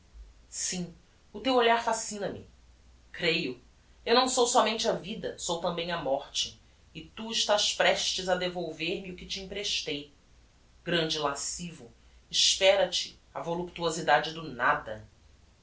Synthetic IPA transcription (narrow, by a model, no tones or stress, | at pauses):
sĩ | ʊt̪ewoʎaɾfasĩnɐmɪ̰ | kɾejʊ | ewnɐ̃w̃sowsɔmẽnt͡ʃɪɐvid̪ɐsowt̪ɐ̃mbẽj̃ɐmɔɾt͡ʃɪ | ɪt̪uɪʃt̪aʃpɾɛʃt͡ʃɪzɐd̪evowveɾmɪʊkɪt͡ʃɪĩpɾeʃt̪ej | ɡɾɐ̃nd͡ʒɪlasivʊ | ɪʃpɛɾɐt͡ʃɪ̥ | ɐvolupt̪uozid̪ad͡ʒɪd̪ʊnad̪ɐ